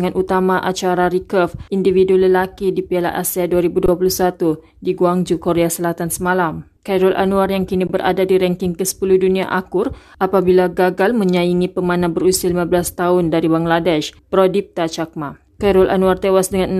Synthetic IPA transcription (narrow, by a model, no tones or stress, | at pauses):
ŋãnʔut̪amaʔa̰t͡ʃaɾaɾikəfindividuləlakidipiala̰ʔasiaduaɾibuduapuluhsat̪u | diɡuaŋd͡ʒukoɾeasəlat̪ansəmãlam | kajɾɔlʔa̰nũarjaŋkinibəɾʔa̰dadiɾɛŋkɪŋkəsə̥puluhdunĩaʔakʊr | ʔapabilaɡaɡalmə̃ɲãiŋĩpəmãnabəɾusialimãbəlast̪aʊndaɾibaŋɡladɛʃpɾodip̚t̪at͡ʃak̚ma | kaɾɔlʔa̰nuart̪ewasdəŋãn